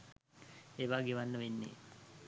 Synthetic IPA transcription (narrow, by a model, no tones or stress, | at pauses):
eːʋaːɡeːʋanːəʋenːḛː